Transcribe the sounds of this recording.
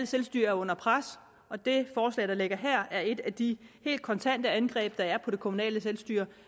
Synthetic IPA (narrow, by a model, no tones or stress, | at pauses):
ləselsd̥y̰ɐæɐɔ̽n̰ɐpʰʁas | ɒ̽d̥e̝fɒːslɛ̰ɪd̥ɑ̈le̝ɡ̥ɐɦɛɐ̰æɐe̝d̥æd̥ihe̝̰ːld̥̚kʰɒ̽nt͡sʰæn̰d̥əænɡ̥ʁɛ̰ːb̥̚d̥ɑ̈æɐpʰɒ̽d̥e̝kʰo̝munɛ̰ːləselsd̥yɐ̰